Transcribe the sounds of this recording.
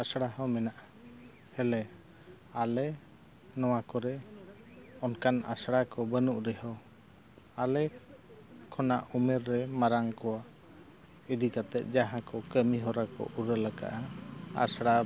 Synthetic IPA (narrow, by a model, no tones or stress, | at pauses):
asɽaɦɔmɛnaʔa | hɛlɛ | alɛ | nɔwakɔɾɛ | ɔnkana̰sɽakɔbənuʔɾɛɦɔ | alɛ | kʰɔnaʔumɛɾːɛmaɾaŋkɔwa | id̪ikat̪ɛʔ̪̚d͡ʒaɦãkɔkəmiɦɔɾakɔ̰ʔuɾəlaɡa̰ʔaa̰sɽa